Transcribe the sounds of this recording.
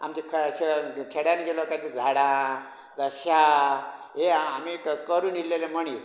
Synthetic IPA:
a̰mt͡ɕikʰːɕekʰeɽjanɡelokad̪id͡zʱaɽa | d͡zəɕa | ɦeamikkəɾuːnilːelem̤əɳ̃iːt

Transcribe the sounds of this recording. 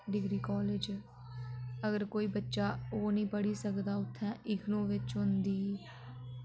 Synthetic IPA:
ɖɪɡɾiːkɔːlɪd͡ʒ | əɡəɾkoːiːbətːʃaːoːnĩːpəɽiːsəkd̪aːʊt̪ʰːɛ̃ːʔɪkʰnõːʋɪt͡ʃɦʊnd̪iː

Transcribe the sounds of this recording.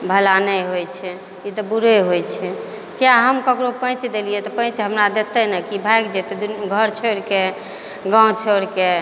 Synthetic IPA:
bʱəlanɛɦojt͡ʃʰɛ | it̪ɔbuɾeɦojt͡ʃʰɛ | kjaɦəmkəkɾopə̃t͡ʃd̪elijet̪ɔpə̃ɪ̃t͡ʃɦəmɾad̪et̪ɛnɛkibʱajkd͡ʒet̪ed̪uɡʱəɾt͡ʃʰəɽke | ɡãt͡ʃʰoɽke

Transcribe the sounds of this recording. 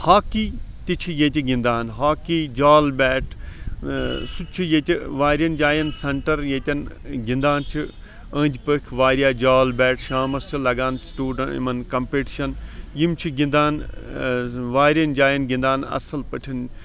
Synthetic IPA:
haːkiː | t̪it͡ʃʰijẽːt̪ʲiɡĩnd̪aːnɦaːkiːd͡ʒaːlbɛːʈ | sut͡ʃʰijẽːt̪ʲiʋaːɾijɐnd͡ʒaːjɐnsɐɳʈɐɾjẽːt̪ʲɐnɡĩnd̪aːnt͡ʃʰi | ə̃ːnd͡ʒʲpəkʰʋaːɾijaːd͡ʒaːlbɛːʈʃaːmɐst͡ʃʰilɐɡaːnsʈuːɖɐnḭmɐnkɐmpeːʈiʃɐnjimt͡ʃʰiɡĩnd̪aːn | ʋaːɾijɐnd͡ʒaːjɐnɡĩnd̪aːnɐ̰sɐlpɐʈʰin

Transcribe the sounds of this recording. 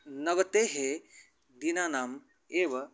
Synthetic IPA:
nɐʋɐt̪eːɦeː | d̪inaːnaːm | eːʋɐ

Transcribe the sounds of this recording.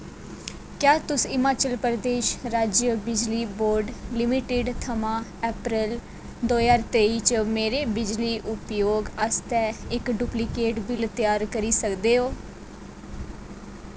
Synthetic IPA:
kjaːt̪ʊsɪmaːt͡ʃəlpɾəd̪eːʃɾaːd͡ʒjəbɪd͡ʒliːboːɾɖlɪmiʈɪɖt̪ʰəmãːɛːpɾəl | d̪oːjaːɾt̪eːiːt͡ʃəmeːɾeːbɪd͡ʒliːʔʊpjoːɡəst̪ɛːɪkɖuːplikeːʈbɪlt̪ɪjaːɾkəɾiːsəkd̪eːɦoː

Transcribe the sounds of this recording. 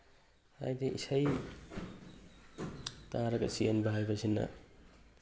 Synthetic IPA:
a̰jdeʔisaj | taɾɐɡɐ̰sienbaɦajbɐsinːɐ̰

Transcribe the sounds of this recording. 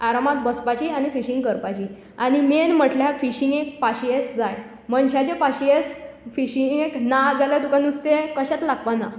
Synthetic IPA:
aɾamat̪̚bəspat͡ɕiːañifiɕĩŋɡkəɾpat͡ɕiː | añimenm̤əʈljafiɕiŋɡek̚paɕijet͡sd͡zaj | mənɕat͡ɕepaɕiet͡s | fiɕiŋɡeknad͡zalat̪ukanust̪ekəɕat̪laɡpana

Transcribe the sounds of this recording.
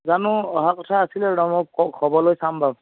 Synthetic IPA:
zanʊɔɦakɔtʰaːsilɛɹɔmɔɔkʰɔbɔlojsambʱab

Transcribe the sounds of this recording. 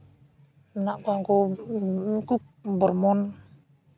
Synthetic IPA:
naʔkuaŋko | kuk̚bərmɔn

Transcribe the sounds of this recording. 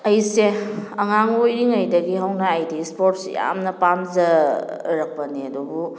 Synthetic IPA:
ɐjseɐŋaŋojɾiŋɐjdɐɡiɦɐwnaajdispoɾt̚sja̰mnɐpamzɐɾɐk̚pɐniɐdubu

